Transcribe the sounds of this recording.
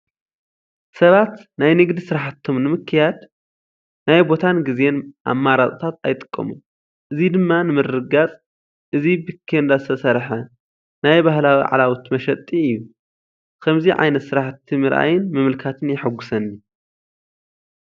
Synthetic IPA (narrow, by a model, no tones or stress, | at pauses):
sɐβat̪najnɨɡd̪isɨɾaħat̪ʰːo̞mnɨmɨkʰːɨjad̪ | najbo̞t̪ʰanɡizenʔa̰mːaɾat̪ʼt̪ʰat̪ajt̪ʼɨ̥kʼːɐ̰mu | ʔɨzid̪ɨmːanɨmɨrːɨɡat͡sʼ | ʔɨzibikʰːend̪azɨt̪ʰɐsɐɾħɐ | najbahlawiʕa̰lawut̪mɐʃɐt̪ʼːiɨjːu | kʰɐmziʕa̰jnɐt̪sɨɾaħt̪ʰːimɨɾʔa̰jɪnmɨmɨlkʰat̪ʰɨnjɪħɨɡːʊsɐnːi